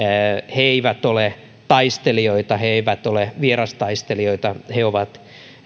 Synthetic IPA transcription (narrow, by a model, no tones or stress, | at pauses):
heeiʋæt̪ole | t̪ɑist̪elioit̪ɑheiʋæt̪oleʋierɑst̪ɑist̪elioit̪ɑheoʋɑt̪